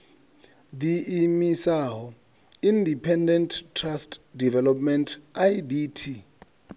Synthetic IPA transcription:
d̪iimisaɦɔ | indipʰɛndɛnttʰːrastdivɛlɔpmɛntʰajditʰi

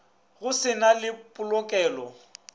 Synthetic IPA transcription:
ɣʊsɪnalɪpʼʊlɔkʼɛːlɔ

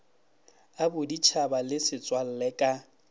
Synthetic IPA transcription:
abʊdit͡ʃʰabalɪsɪt͡sʼwal̩lɛkʼa

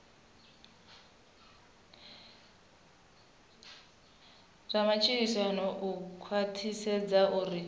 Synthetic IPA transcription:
ramat͡ʃʰiɾisanɔʔukʰwatʰisɛd͡zaʔuri

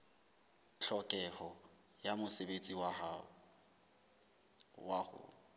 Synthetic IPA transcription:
ɬʰɔkʼɛhɔ | jamʊsebet͡sʼiwa | wahʊ̰

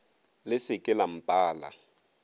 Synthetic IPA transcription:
lɪsɪkʼɪlam̩pʼaːla̰

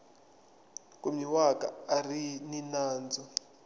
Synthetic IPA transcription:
kʼumiwakʼa̰ːrininaːnd͡zɔ

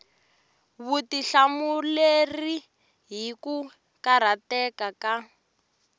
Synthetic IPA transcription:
βutiɬamuleri | ɦiku | kaɾ̤atɛkaka

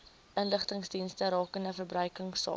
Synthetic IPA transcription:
ʔənləχtəŋsdinstəɾɑːkəndəfərbrœɥkəŋsɑ̰ː

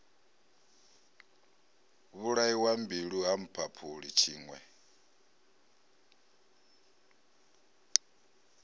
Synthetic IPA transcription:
βuɺaiwambiɺuɦam̩pʰapʰuɺit͡ʃʰiːŋwɛ

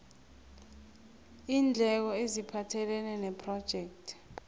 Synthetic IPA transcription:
iːnd͡ɮʱɛk̬ɔezipʰatʰɛlɛnɛnɛpʰrɔd̥ʒ̥ʱɛk̚tʰ

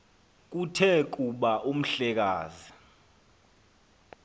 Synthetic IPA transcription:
k̬utʰɛk̬ʼuɓaʔum̩ɬɛk̬a̰ːzi

